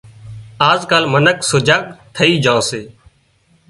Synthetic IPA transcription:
aːzkaːlmənəksʊd͡ʒaːk̚t̪ʰəiːd͡ʒãːseː

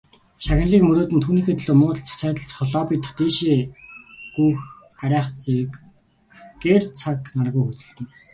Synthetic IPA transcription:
ʃaxʲɪ̆nɮiːkmɵɾoːt̪ɘnt̪ʰuːniːxeːt̪̆ʰɮoːmʊ̆ːt͡sʰḁsæːt̪ə̆ɮt͡sχɔɮɔːpit̪t̪eːʃeː | ɡ̥ujx | æɾʲæːχt͡seɾɘ̆k | ɡeːrt͡sʰaknarɣujxut͡sɘ̆ɮt̪ɘ̆ŋ

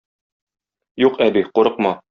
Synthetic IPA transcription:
juqæbiquɾɤ̆q̚mɑ

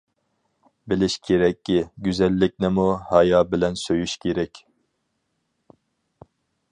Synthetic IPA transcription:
bɪlɪʃkʲʰeɾɛkʲːiɡʲyzɛlːɪk̚ʲnɪmuhɑjɑːbɪlɛnsøjyʃkʲʰeɾɛkʲ

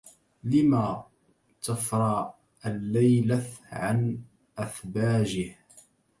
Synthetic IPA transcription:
lɪma | t̪afɾˤɑ | ʔalːajlaʕan | ʔaθbaːd͡ʒɪh

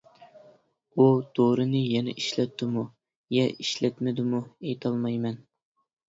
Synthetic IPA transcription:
ud̪̥ʰoɾɨnɨjɛnɛ̰ʔiʃlɛt̪ʰːɪmu | jɛʔiʃlɛt̪mɪd̪ɪmuejt̪ʰɑlˠmɑjmɛn

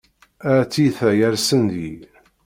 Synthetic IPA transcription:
æt͡sːiθæjæɾsənd̪i

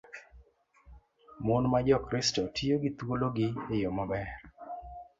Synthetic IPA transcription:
mʊnmad͡ʒɔkɾɪstotijoɡɪt̪woloɡɪejomabɛr

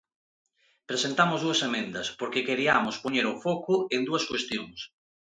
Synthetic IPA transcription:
pɾesent̪amʊzðuɐsemẽnd̪ɐspoɾkekeɾiamʊspoɲeɾofɔkʊend̪uɐskwest̪joŋs

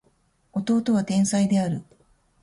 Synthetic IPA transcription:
o̞t̪o̞ːt̪o̞β̞at̪ẽ̞ɰ̃said̪e̞aɾɯ̟

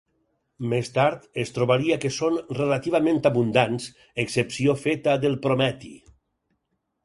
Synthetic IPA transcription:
mest̪aɾt̪est̪ɾoβaɾiakesonrelat̪iβamẽnt̪aβund̪ans | eksepsiofet̪aðelˠpɾomɛt̪ḭ

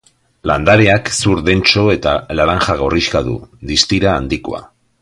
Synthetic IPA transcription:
land̪aɾeaksuɾðe̞nt͡ʃo̞e̞t̪alaɾaŋxaɣ̞o̞riskaðṵðist̪iɾaːnd̪iko̰a̰

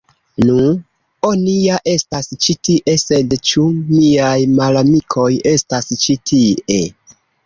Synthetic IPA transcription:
nu | oniaʔe̞stast͡ʃitiʔe̞se̞dt͡ʃumiajmalamikʰo̞je̞stast͡ʃitʰie̞

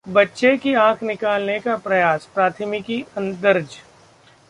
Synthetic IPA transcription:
bɐtːʃekiãːkʰnɪkaːlnekapɾɐjaːspɾaːt̪ʰəmɪkiɐ̃nd̪əɾd͡ʒ

